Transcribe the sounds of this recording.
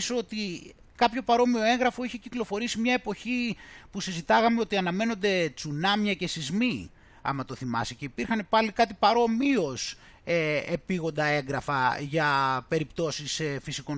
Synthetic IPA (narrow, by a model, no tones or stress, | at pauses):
soot̪i | kɐpço̞pɐɾo̞mio̞e̞ŋɣɾɐfo̞içe̞ciklo̞fo̞ɾisimɲɐe̞po̞çipusizit̪ɐɣɐmeo̞t̪iɐnɐme̞no̞nd̪e̞t͡sunɐmɲɐce̞sizmi | ɐ̰mɐt̪o̞θimɐ̰sice̞ipiɾxɐne̞pɐlikɐt̪ipɐɾo̞mio̞s | eepiɣo̞nd̪ɐe̞ŋɡɾɐfɐʝɐpe̞ɾipt̪o̞sisfisiko̞n